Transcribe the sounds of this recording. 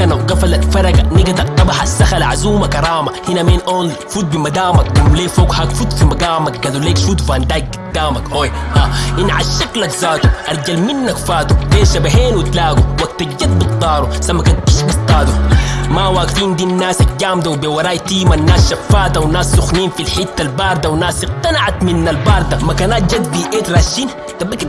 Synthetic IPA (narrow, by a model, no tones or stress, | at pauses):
kanɡafalalfɑɾˤɑɡaniɡad̪ɑɾt̪ˤːɑbɑħasːaxalʕazuːmakɑɾˤɑːmahinamiːnʔoːn | fuːt̪̚bimad̪aːmak̚ɡumleːfoːɡhakfuːt̪fimaɡaːmak̚ɡad̪uleːkʃuːt̪fand̪aːk̚ɡid̪ːaːmakʔoːjʔaʔinːʕaʃʃːaklakzaːt̪uʔɑɾˤɟalminːakfaːt̪ubeːʃabaɦeːnwit̪laːɡuwak̚t̪ad͡ʒːat̪̚bit̪ˤːɑːɾusamːakankiʃbit̪ˤːɑːd̪umawaːɡfiːnd̪inːaːsak̚d̪ːaːmd̪awbewɑɾˤaːjt̪iːmanːaːsʃafːaːd̪awnaːsːuxniːnfilħit̪ːalbɑːɾˤd̪awnaːsiqt̪anaʕat̪minːalbɑːɾˤd̪amakanaːt̪̚d͡ʒad̪biʔeːt̪ɾˤaːʃiːn | t̪ɑbik